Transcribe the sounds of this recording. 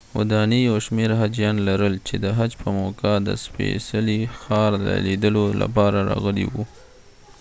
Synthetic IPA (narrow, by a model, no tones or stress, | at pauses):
wa̰d̪ɑnijawʃmeɾɦad͡ʒjɑnlaɾəlt͡ʃed̪əɦad͡ʒpəmokad̪ə̰spḛsalixɑɾd̪ə̰lid̪əlola̰pɑɾaɾɑ̰ɣəlḭwu